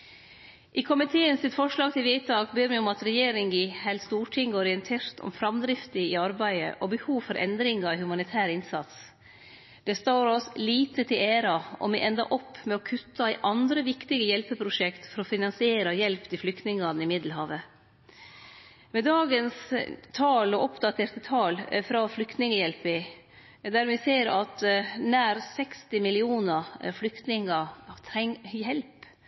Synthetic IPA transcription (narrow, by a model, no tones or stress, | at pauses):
ʔɪkʰʊmɪt̪ʰeːənsɪt̪fɔʂɭɑːɡt̪ɪlʋiːt̪ʰɑːkbeːɾmɛɔmɑt̪ɾɛjeːɾɪŋɪhɛlst̪uːʈʰɪŋɡɔɾɪənt̪ʰeːɾt̪ʰɔ̰mfɾɑmd̪ɾɪft̪ɪɪɑɾbæɪə̰ʔɔbəhuːʋfɔɾʔɛ̰nd̪ɾɪŋɑhʉmɑnɪt̪ʰæːɾɪnsɑt̪s | d̪̥ɛst̪oːɾɔsliːt̪ət̪ʰɪleːɾɑɔ̰mɛʔɛnd̪ɑ̰ʔɔpːmɛɔkʰʉt̪ʰːɑæɪʔɑnd̪ɾəʋɪkt̪ɪɡəjɛlpəpʰɾʊʂɛkt̪fɔɾɔfɪnɑnsɪeːɾɑjɛlpt̪ʰɪflʏkt̪nɪŋɑnəɪmɪd̪l̩hɑːʋə | mɛd̪ɑːɡənst̪ʰɑːlɔʔɔpd̪ɑt̪ʰeːɾt̪ət̪ʰɑːlfɾɑflʏkt̪nɪŋəjɛlpɪ | d̪æɾmɪseːɾɑt̪næːɾsɛkst̪ɪmɪlɪuːnəflʏkt̪nɪŋət̪ʰɛŋjɛlp